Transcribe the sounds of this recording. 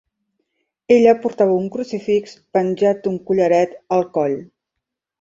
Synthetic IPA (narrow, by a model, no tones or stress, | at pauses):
eʎəpuɾt̪aβəuŋkɾusifikspənʲʒat̪̚uŋkuʎəɾɛt̪əlˠkɔʎ